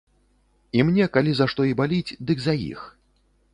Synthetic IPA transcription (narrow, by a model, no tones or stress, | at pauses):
imnʲɛkalʲizaʂt̪ɔibalʲit͡sʲd̪ɨɡzajḭx